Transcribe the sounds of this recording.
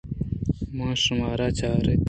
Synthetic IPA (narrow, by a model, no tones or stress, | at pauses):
mɑ̃ːʂumaːɾat͡ɕaːɾet̪